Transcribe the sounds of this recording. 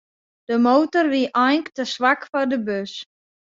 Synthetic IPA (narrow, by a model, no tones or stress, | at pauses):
d̥əmoːwtərʋiʔɔjŋktəsʋakfɔrdəbøs